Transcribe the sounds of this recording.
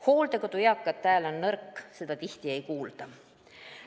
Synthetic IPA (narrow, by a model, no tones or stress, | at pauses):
ho̞ːld̪ekot̪ujɑkˑːɑt̪ːæːlo̞nːɤrkːse̞d̪̥ɑt̪iht̪ie̞jkuːld̪̥ɑ